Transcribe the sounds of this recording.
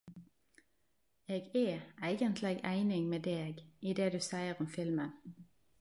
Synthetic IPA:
eːɡeːæɪɡənt̪ʰlɛɡæɪnɪŋmeːd̪eːɡiːd̪eːd̪ʉːsæɪəʁɔmfɪlmən

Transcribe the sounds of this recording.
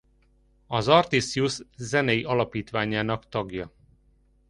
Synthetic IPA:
ɒzɒrt̪isijuszɛnɛjiʔɒlɒpiːt̪ʋaːɲaːnɒkt̪ɒɡjɒ

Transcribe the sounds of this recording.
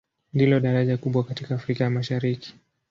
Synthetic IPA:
ndilɔɗaɾaʄakuɓwakatikaːfɾikajamaʃaɾiki̥

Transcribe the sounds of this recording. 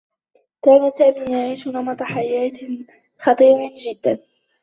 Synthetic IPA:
kaːnasaːmiːjaʕiːʃʊnɑmɑt̪ˤɑħajaːt̪ | xɑt̪ˤiːɾd͡ʒɪd̪ːan

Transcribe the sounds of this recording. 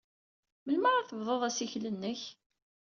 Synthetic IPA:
məlmaʁæθəvðˤoðˤæsiçlənːəç

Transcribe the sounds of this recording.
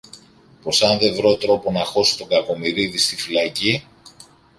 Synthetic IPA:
po̞sɐnðe̞vɾo̞t̪ɾo̞po̞nɐxo̞si̥t̪o̞ɡɐko̞miɾiðist̪ifilɐci

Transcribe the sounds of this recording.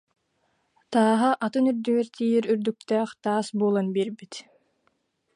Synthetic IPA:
t̪aːɦaʔat̪ɯnyɾd̪yɡɛɾt̪ʰiːiɾyɾd̪yk̚t̪ɛːχt̪aːsbuːlˠanbiɾbit̪

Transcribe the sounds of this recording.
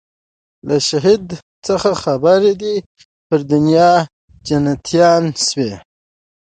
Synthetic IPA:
laʃaɦid̪ | t͡səxaxabaɾed̪i | pəɾd̪ʊnjɑ | d͡ʒanat̪ʰjɑnswe

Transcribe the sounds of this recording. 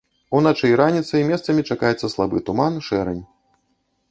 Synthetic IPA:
unat͡ʂɛjɾanʲit̪sɐimʲɛst̪sɐmʲit͡ʂakajɛt̪sːɐslˠabɨ̰t̪umanʂɛɾɛ̰nʲ

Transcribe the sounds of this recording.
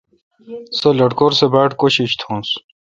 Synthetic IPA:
sɐlɐɽkoɾsebaːʈkoɕiɕt̪ʰõːns

